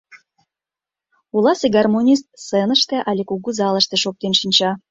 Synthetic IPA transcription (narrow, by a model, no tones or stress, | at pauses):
ulˠɑseɡɑrmonʲist̪̚senəʃt̪ĕʔɑlʲekuɣuzɑlˠəʃt̪eʃok̚t̪enʃinʲt͡ɕɑ